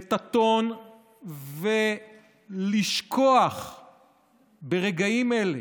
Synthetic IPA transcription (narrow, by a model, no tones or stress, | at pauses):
t̪at̪o̞n | ve | liʃkʰo̞aχ | beʁeɡaimele